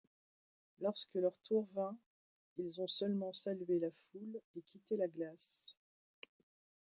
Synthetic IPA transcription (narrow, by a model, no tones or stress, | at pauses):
lɔʁskəlœʁt̪ʰuʁvɛ̃ | ilzɔ̃sœlmɑ̃salɥelafulekʲit̪elaɡlas